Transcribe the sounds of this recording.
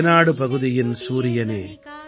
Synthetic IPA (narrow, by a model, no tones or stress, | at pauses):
naːɽɯpɐɣɯðɪjɪnsuːɾɪjɐneː